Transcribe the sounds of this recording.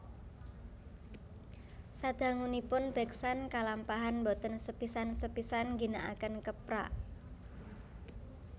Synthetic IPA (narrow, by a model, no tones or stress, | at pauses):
sad̪̥a̤ŋunipʊnb̥ɛksankalampaɦanbot̪ənsəpisansəpisanŋɡi̤naʔa̰kənkəpɾa̰ʔ